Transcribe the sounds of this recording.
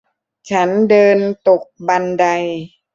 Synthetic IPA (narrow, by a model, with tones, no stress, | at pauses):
t͡ɕʰa˦˥ndɤː˧nt̪o˨˩k̚ba˧nda˧j